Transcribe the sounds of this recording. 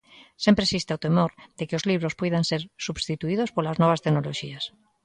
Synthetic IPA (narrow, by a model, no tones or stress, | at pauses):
sempɾesist̪eaot̪emoɾd̪̥ekɪozliβ̞ɾospɔjðanseɾsubst̪it̪uið̞ospolaznɔβ̞ast̪enoloʃias